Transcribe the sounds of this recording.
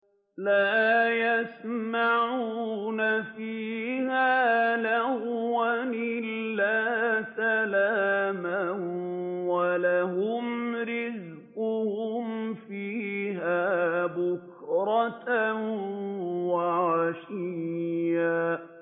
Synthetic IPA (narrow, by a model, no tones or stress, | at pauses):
laːjasmaʕuːnafiːhaːlahwanɪlːaːsalaːma | walaɦʊmɾɪz | qʊhʊmfiːɦaːbʊkɾˤɑt | waʕaʃija